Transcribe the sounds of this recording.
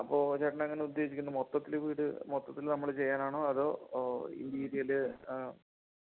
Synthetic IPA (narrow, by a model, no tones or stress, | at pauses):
ɐpːo̞ːt͡ɕɐʈːɐɳɐeŋːɐneud̪je̞ːs̬ikʲːunːɐmot̪ːɐt̪ːilʋiːɽɨ̰mot̪ːɐt̪ːilnɐmːɐɭt͡ɕe̞jːaːnaːɳoːɐðo̞ːḭnd̪iːɾijɐlɨ